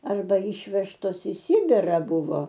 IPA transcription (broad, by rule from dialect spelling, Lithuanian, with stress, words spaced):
ɐrˈbɐ ˈiːʃʲʋʲɛʃtoːs ɪ ˈsʲɪbʲɪrɐ ˈbʊʋoː